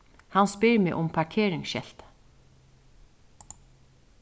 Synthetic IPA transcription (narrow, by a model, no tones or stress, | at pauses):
hanspɪɾmɪʔʊmpʰaɹkʰeːɾɪŋsʃɛ̰l̥t̪